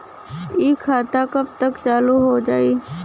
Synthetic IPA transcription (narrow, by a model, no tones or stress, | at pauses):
iːkʰːaːt̪aːkəb̚t̪əkt͡ʃaːluːɦoːd͡ʒaːiː